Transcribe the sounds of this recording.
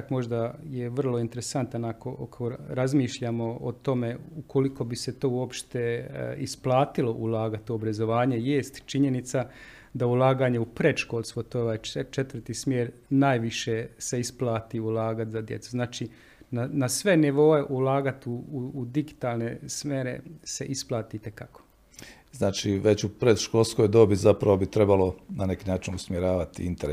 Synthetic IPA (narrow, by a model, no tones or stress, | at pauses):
kmo̞ʒd̪ajeʋər̩lˠo̞int̪e̞ɾesant̪anakoʔo̰koɾazmiːʃʎamo̞ot̪o̞me̞ukoliko̞bise̞t̪o̞ːuo̞pʃt̪eisplˠaːt̪ilo̞ʔulˠaːɡat̪uobɾazo̞ʋaːɲeje̞ːst̪t͡ʃiɲe̞nit̪sa | d̪aulˠaːɡaːɲe̞upɾe̞t̪ʃkoːlˠspot̪ooʋajt͡ʃet̪ʋər̩t̪ismjeːɾnaːjʋiʃese̞isplˠaːt̪iulaːɡat̪zad̪je̞t̪suznaːt͡ʃi | nanasʋe̞niʋo̞e̞ʔulaːɡat̪uːd̪iɡit̪aːlnesmje̞ːɾe̞̰se̞ʔisplˠaːt̪it̪e̞kako̥ | znaːt͡ʃiʋet͡ɕupɾed̪ʃkolˠskojd̪obizapɾaʋo̞bit̪ɾe̞balo̞nane̞kiːnaːt͡ʃinusmʲjeɾaːʋat̪iint̪eɾe